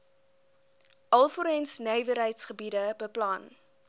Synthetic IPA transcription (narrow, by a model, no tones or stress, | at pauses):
ʔɐlˠfɔɾɛnsnɛjvəɾɦəjtsχəbidəbəplɑn